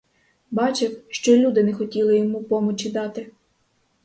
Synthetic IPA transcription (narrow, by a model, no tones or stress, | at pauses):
bɑt͡ʃɪwʃt͡ʃɔlʲud̪ɪnɛxɔtʲilˠɪjɔmupɔmɔt͡ʃid̪ɑt̪ɪ